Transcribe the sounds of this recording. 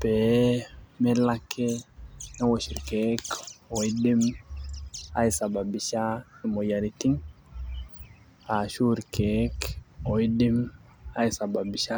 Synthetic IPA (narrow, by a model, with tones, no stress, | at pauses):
pɛ˨ | mɛ˦la˦kʰːɛnɛ˦wo˨ʃi˨ɾkɛ˦kɔ˨i˦di˦m | a̰˦i˨sa˨ba˨bi˨ʃa˦ni˨mɔ˨ja˨ɾiti˦ŋ | a˨ʃu˦ɾkɛ˨˦kɔ˨i˦di˦m | a˦i˨sa˨ba˨bi˨ʃa˦